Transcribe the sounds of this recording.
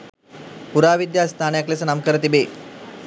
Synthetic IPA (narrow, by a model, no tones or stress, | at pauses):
puɾaːʋid̪jaːst̪ʰaːnəjaklesənamkəɾət̪ibeː